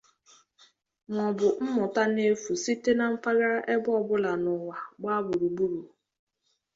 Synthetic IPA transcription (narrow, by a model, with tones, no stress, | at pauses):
m˨ɔ˨bʊ˨m̩˦mʊ˨ta˦ne˦fu˨si˦te˦na˨m̩˦pa˦ɣa˦ɾʔe˦bɔ˦˨bʊ˦la˨nʊ˨wa˨ɡ͡ba˦bʊ˨ɾu˨ɡ͡bu˦ɾu˨